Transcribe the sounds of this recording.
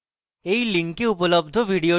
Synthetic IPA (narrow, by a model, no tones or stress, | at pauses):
eiliŋkeupələb̚d̪ʱəʋʱiɽio